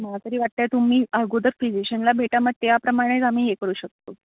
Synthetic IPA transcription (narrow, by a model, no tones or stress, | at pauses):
məɦat̪əɾiːʋaʈ̚t̪at̪um̤iːəɡud̪əɾfid͡ʑiɕənlabʱeʈaməɡ̚t̪japɾəmaɽ̃et͡sam̤iːjekəɾuːɕək̚t̪o̰